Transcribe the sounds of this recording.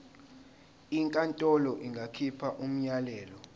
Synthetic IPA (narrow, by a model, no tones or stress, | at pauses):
iŋkʼantʼɔlɔʔiŋɡʱakʰipʰaʔum̩ɲalɛːlɔ